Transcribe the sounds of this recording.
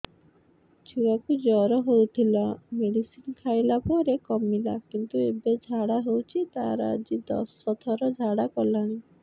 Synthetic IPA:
d͡ʒʰiwakud͡ʒɔɾɔɦowt̪ʰilameɽisinkʰajlapɔɾekɔmila̰kint̪uebed͡ʒʱaɽaɦewt͡ʃʰit̪aɾa̰d͡ʒid̪ɔ̰sːɔt̪ʰɔɾɔd͡ʒʱaɽakɔlaɽ̃i

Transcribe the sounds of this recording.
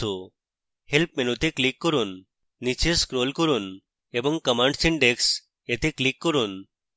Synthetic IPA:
u | helpmenut̪eklikːɔɾunː | it͡ʃeskɾolkɔɾun | ebɔŋkəmaɳɖsiɳɖeks | et̪eklikːɔɾun

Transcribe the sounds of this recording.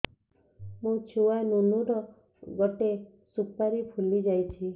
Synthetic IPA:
mũt͡ʃʰuwanunuɾɔ | ɡɔʈe | supaɾipʰulid͡ʒajt͡ʃʰi

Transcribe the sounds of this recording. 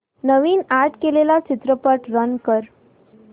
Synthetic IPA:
nəʋiːnaɾʈkelelat͡ɕit̪ɾəpəʈɾənkəɾ

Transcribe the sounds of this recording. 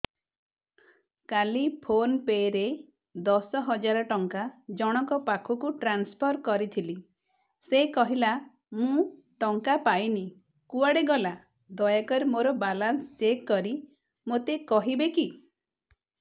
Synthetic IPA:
kalipʰonpeɾe | d̪ɔsɔɦɔd͡ʒaɾɔʈɔŋkad͡ʒɔɽ̃ɔkɔpakʰukuʈɾanspʰɔɾkɔɾit̪ʰili | sekɔɦila | mũ | ʈɔŋkapajni | kuaɽeɡɔla | d̪ɔjakɔɾemoɾɔbalanst͡ʃekːɔɾi | mot̪ekɔɦibeki

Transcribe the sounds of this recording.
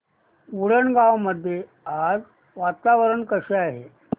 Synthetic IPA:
uɽəɳɡaʋməd̪ʱːje | ad͡z | ʋat̪aʋəɾəɳkəɕeaɦe

